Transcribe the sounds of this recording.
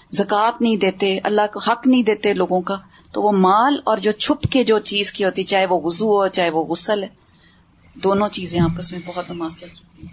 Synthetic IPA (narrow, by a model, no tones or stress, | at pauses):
zɐkaːt̪nəɦĩd̪eːt̪eʔɐ̰lːaːkːhəknəɦĩːd̪eːt̪eloːɡõkaː | t̪oːʋoːmaːlɔːɾd͡ʒoːt͡ʃʰʊpked͡ʒoːt͡ʃiːzkiɦoːt̪iɛt͡ʃaːɦeʋoɣʊzuːɦoːt͡ʃaːɦeʋoːɣʊsəlɛː | d̪oːnõːt͡ʃiːzẽaːp̚kɪsmẽbɔɦʊt̪nɐmaːzt͡ʃaɾ